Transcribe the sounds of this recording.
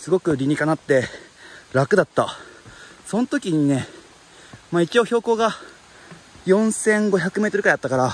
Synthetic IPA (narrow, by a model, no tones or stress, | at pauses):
sɨɡo̞kɯ̟ɾʲiɲ̟ikanat̪ːe̞ | ɾakɯ̟d̪at̪ːa | so̞not̪o̞kʲiɲ̟ine̞ | maːit͡ɕio̞ːço̞ːko̞ːɡa | jõ̞ɰ̃sẽ̞ŋɡo̞çakɯ̟me̞ːt̪o̞ɾɯ̟kaj̪at̪ːakaɾa